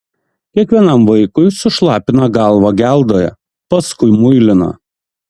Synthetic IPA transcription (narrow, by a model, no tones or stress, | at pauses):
kʲiɛkʋʲiɛnɐˑmʋɐɪkʊɪsʊʃlˠɑːpʲɪnɐɡɑˑlˠʋɐɡʲæˑlˠd̪oːjɛ̰ | pɐskʊɪmʊɪlʲɪnɐ̰